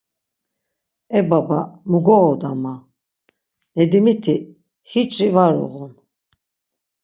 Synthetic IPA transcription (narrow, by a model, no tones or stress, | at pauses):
ɛbabamuɡɔːd̪ama | nɛd̪imit̪ʰi | hit͡ʃʼɾivaɾɔ̰ʁun